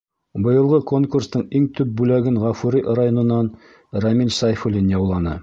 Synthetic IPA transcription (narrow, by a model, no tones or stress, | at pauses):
bɤ̆jɤ̆lˠʁɤko̞ŋkurst̪ɤɴiŋt̪ʉp̚bʉlæɡɘnʁɑfuɾiʔɾajo̞nɤ̆nːɑn | ramʲilʲsajfulʲinjɑwlˠɑnɤ̰